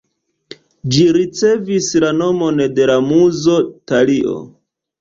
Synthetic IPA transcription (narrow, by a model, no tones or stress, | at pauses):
d͡ʒiɾit͡se̞vislano̞mo̞nde̞lamuzo̞taliʔo̞̰